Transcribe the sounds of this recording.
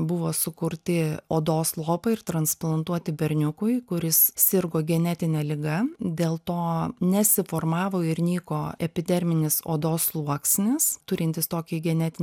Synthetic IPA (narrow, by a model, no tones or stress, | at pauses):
bʊʋoːsʊkʊɾʲt̪ʲɪoːd̪oːslˠoːpɐɪrt̪ɾɐnsplˠɐnt̪uɔt̪ʲɪbʲɛɾʲnʲʊkʊɪkʊɾʲɪssʲɪɾɡoːɡʲɛnʲɛt̪ʲɪnʲɛːlʲɪɡɐd̪ʲeːlˠt̪oːnʲɛsʲɪfoːrmɑːʋoːɪɾnʲiːkoːɛpʲɪd̪ʲɛɾʲmʲɪnʲɪso̰ːd̪oːslˠuɔksʲnʲɪst̪ʊɾʲɪnʲt̪ʲɪst̪oːkʲɪɡʲɛnʲɛt̪ʲɪnʲ